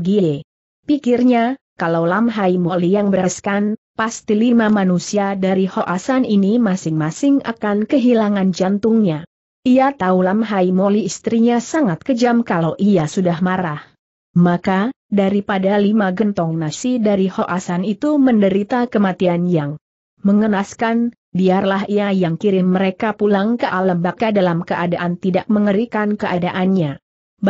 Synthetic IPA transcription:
ɡie | pikɪrɲakalawlamɦajmolijaŋbəɾaskan | past̪ilimamanusiadaɾihɔʔasaninimasɪŋmasɪŋa̰kankəɦilaŋand͡ʒant̪ʊŋɲa | ʔiat̪aulamɦajmoliːst̪ɾiɲasaŋat̪̚kəd͡ʒamkalawʔiasudahmaɾah | makadaɾipadalimaɡənt̪ɔŋnasidaɾihɔʔasanit̪uməndəɾit̪akəmat̪ianjaŋ | məŋənaskan | biarlaɦiajaŋkiɾɪnməɾekapulaŋkəʔaləmbakadalamkəʔadaʔant̪idak̚məŋəɾikankəʔadaʔanɲa | b

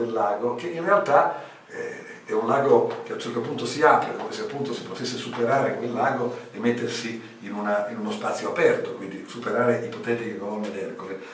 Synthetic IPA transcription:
d̪elːaːɡok̟eʔinrealt̪a | ɛ | ɛunlaːɡokeat͡ʃːɛrt̪opunt̪osiaːpɾed̪oːveseapːunt̪osi̥pot̪esːesupeɾaːɾekwelːaːɡoemet̪ːersiː | nunainunospat̪sːjoapɛrt̪okwind̪isupeɾaːɾeʔipot̪ɛːɾikeɡolonned̪ɛrkole

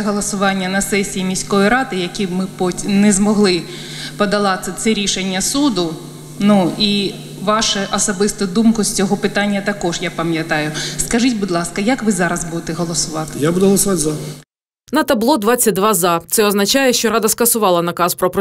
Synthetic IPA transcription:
ɦɔlˠɔsʊʋɑnʲːɐnɐsɛsʲijːmʲisʲkɔjiɾɑd̪ɪjɐkʲibmɪpɔnɛzmɔɦlˠɪ | pɔd̪ɐlˠɑt̪sʲɛt̪sɛɾʲiʃenʲːɐsud̪ʊ | nui | ʋɑʃɐʔɔsɐbɪst̪ɐd̪umkʊsʲt͡sʲɔɦɔpɪt̪ɑnʲːɐt̪ɐkɔʒjapɐmjɐt̪ɑjʊskɐʒɨtʲbʊd̪ʲlˠɑskɐjɐkʋɪzɑɾɐzbud̪ɪt̪ɛɦɔlˠɔsʊʋɑt̪ɪ̥jabud̪ʊɦɔlˠɔsʊʋɑtʲzɐ | nɐt̪ɐblˠɔd̪ʋɑt͡sʲːɐt̚ʲd̪ʋɑzɑt̪sɛɔznɐt͡ʃɑjɛʃt͡ʃɔɾɑd̪ɐskɐsʊʋɑlˠɐnɐkɑspɾɔpɾɔ

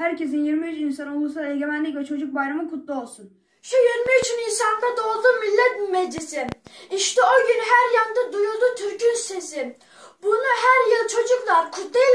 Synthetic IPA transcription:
hæɾce̞s̬injiɾmiyt͡ʃinsano̞lˠusud̪ˠaeɟe̞mænlʲicʲvɛt͡ʃʰo̞d͡ʒuk̚bajɾamɯkʰut̪lˠuo̞lˠsun | ʃujiɾmiyt͡ʃyninsand̪ad̪o̞lˠd̪umilʲːɛt̪med͡ʒisɪiʃt̪ɛoɟynɦæɾjand̪ad̪ujod̪ut̪ʰyɾcynsesɪ | bunuɦæɾjɯlˠt͡ʃʰo̞d͡ʒuklˠaɾkʰut̪ːej

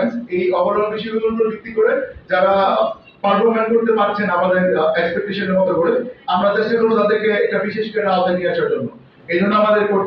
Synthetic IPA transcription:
nejɔbaɾolbiʃiɡud̪ont̪ɾobʱik̚t̪ikoɾed͡ʑaɾa | paɾfomankoɾt̪epaɾt͡ɕʰenamad̪eɾekspek̚ʈeʃoneɾmɔt̪oɡoɽeamɾad̪eʃekot̪ad̪eɾkeɛk̚ʈabiʃeʃkeɾad̪aniat͡ɕʰaɾd͡ʑonːo | ejd͡ʑʱonːoamad̪eɾkoɾ

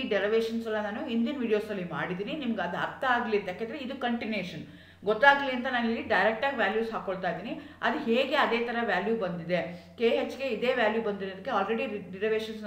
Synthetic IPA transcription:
iɖɛɾɐʋeːʂɐnsɛlːɐnaːnuind̪inʋiːɽijo̞ːsɐlːima̰ːɽid̪iːninimɐɡeɐd̪ɐ̰ɾt̪ːɐaːɡliɐnt̪eaːkːend̪ɾeid̪ukɐɳʈineːʂɐn | ɡɔt̪ːaːɡliɐnt̪ɐnaːnilːiɖɐjɾek̚ʈaːɡiʋjaːljuːsɦaːkoɭt̪aːjid̪iːniɐd̪uɦeːɡe̞ɐd̪eːt̪ʰɐɾɐʋjaːljubɐnd̪id̪e̞keːɦet͡ʃːɡe̞id̪e̞ːʋjaːljubɐnd̪iɾod̪ikːeaːlɾeɽiɖeɾɐʋeːʃɐns

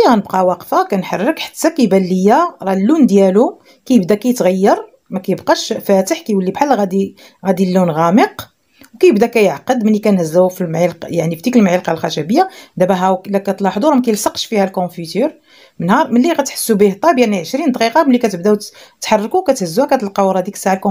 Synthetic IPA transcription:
iɣænəbqɑwɑqfakænħɑrˤːəkħḁt̪ːakæjbælːəjːaɾˤɑlːund̪jælu | kæjəbd̪ækæjət̪ɣæjːɑɾˤ | mækæjəbqɑʃfæt̪əħkæjwəlːibħalːɣæd̪i | ɣæd̪ilːunɣæməq | wkæjəbd̪ækæjəʕqəd̪məlːikænhəzːæwfilmʕilqjaʕnifid̪ikəlmʕilqɑlxæʃæbəjːad̪æbæɦæwklækæt̪ˤlɑʕħd̪ˤuɾmækæjəlsɑqʃfihælkɔ̃fyt̪yɾ | mənhɑɾˤməlːiɣæt̪ħə̥sːubiht̪ˤːɑbjaʕniʕəʃɾind̪ˤqiqɑməlːikæt̪əb̚d̪æwt̪ːħɑrˤːɑkukæt̪həzːuhækæt̪əlqɑwɾˤɑd̪iksaʕalkɔ̃

